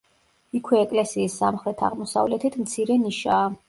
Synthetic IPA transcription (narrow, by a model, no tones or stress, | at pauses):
ikʰwɛːkʼlɛsiːsːa̰mχɾɛt̪ʰa̰ʁmɔsa̰vlɛt̪ʰit̪ʰmt̪sʰiɾɛniʃaː